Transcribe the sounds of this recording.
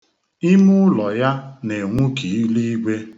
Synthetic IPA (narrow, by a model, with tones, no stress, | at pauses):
i˦mu˦lɔ˨ja˦ne˨ŋʷu˦ki˨i˦li˦i˦ɡʷe˦